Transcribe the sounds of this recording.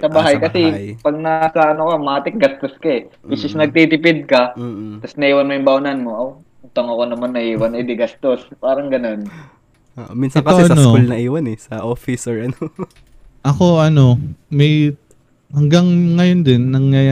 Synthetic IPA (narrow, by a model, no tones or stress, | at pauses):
sɐbaːɦajkɐsɛpɐɡ̚nasɐɐnokɐmɐʔaːt̪ɪk̚ɡɐst̪oskɐɛbɪsɪsnɐɡ̚t̪it̪ɪpɪd̪̚kɐt̪ɐsnɐʔiːwɐnmojʊŋmbawnɐnmo̞ʔɐw | nt̪ɐŋɐkonɐmɐnːɐʔiːwɐnɛd̪ɪɡɐst̪ospaːɾɐŋɡɐno̞n | ʔoʔominsɐkɐosɛɐɐnoolnɐʔiːwɐnɛsɐʔofɪsoɹɐno | ʔɐko̞ʔɐno̞mɛj | hɐŋɡɐŋːɐjond̪ɪnːɐŋjaːja